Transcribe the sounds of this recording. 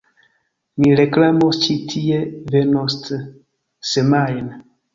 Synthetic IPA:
miɾeklamost͡ʃitʰievenostə | semajn

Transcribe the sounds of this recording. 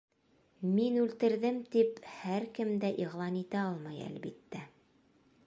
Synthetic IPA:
minʉlt̪ɘ̆ɾðɘmt̪iphæɾkɘmd̪æʔiʁlˠɑnit̪æɑlˠmɑjæ̰lbit̪ːæ

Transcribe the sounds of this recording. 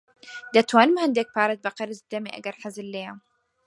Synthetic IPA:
d̪at̪waːnmahand̪eːk̚paːɾˤat̪̚baqɑɾɪzd̪amiʔa̰ɡɑɾˤħazɪlːeːam

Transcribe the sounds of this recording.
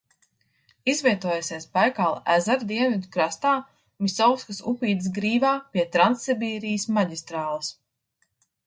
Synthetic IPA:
izvʲiɛt̪uɔjasʲɛjspajkalˠæzaɾd̪iɛnvʲid̪ukɾast̪aː | misɔwskasupʲiːd̪s̬ɡɾiːvaːpʲiɛt̪ɾant̪sibʲiːɾijəsmaɟʲist̪ɾaːlˠɨs

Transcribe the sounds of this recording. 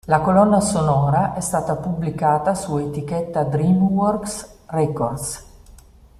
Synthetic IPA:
lakolɔnːasonɔːɾaʔɛst̪aːt̪apublikaːt̪asuet̪ikɛt̪ːad̪ɾimwɔrksrɛkord̪s

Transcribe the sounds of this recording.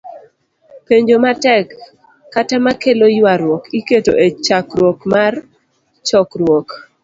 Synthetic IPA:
peɲd͡ʒomatɛkː | atamakelojwaɾwɔkiketo̰ʔet͡ʃakɾwɔkmar | t͡ʃɔkɾwɔk

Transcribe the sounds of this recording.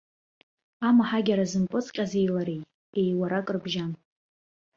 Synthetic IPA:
amaħaɡʲaɾazɨmpʼɨt͡sʼqʲʼazejlaɾejʼ | e̞jwaɾakʼrbʒan

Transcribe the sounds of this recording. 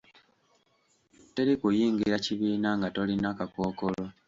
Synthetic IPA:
te̞ɾikujiːŋɡiɾaciβiːnaŋɡato̞linakako̞ːko̞lo̞

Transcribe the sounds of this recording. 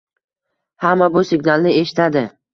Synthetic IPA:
hamːabʊsɪɡnalˠnɪe̞ʃɪ̥t̪ʰad̪ɪ

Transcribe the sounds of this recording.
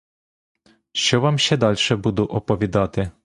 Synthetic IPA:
ʃt͡ʃɔʋamɕɛd̪ɑlʲʂɛbud̪ʊʔɔpɔʋʲid̪ɑt̪ɪ

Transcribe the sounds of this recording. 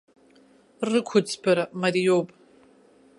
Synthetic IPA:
rɨkʷʰʊt͡sʰpʰɐɾɐmɐɾijopʼ

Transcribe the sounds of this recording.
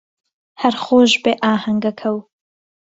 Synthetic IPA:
hɐɾχoːʒbeːʔaːhɐŋɡɐkʰɐw

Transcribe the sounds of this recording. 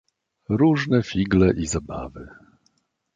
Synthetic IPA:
ɾuʐnɛfʲiɡlɛʔizaba̰vɘ

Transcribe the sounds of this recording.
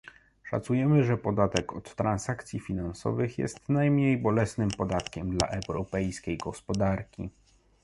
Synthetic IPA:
ʂa̰t̪sujɛmɘʐɛpɔd̪at̪ɛkɔt̪ːɾansakt̪sʲjifʲinansɔ̰vɘxjɛ̰st̪najmɲejbɔlɛsnɘmpɔd̪at̪kʲɛmd̪la̰ʔɛwɾɔpɛjskʲejɡɔspɔd̪aɾkʲḭ

